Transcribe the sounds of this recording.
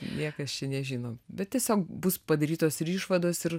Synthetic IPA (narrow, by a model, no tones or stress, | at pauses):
nʲiɛkɐst͡ʃʲɛnʲɛʒʲiːnoːbʲɛt̪tʲiɛsʲoːkbʊspɐd̪ɐɾʲiːt̪oːsɪɾiːʃʋɐd̪oːsɪr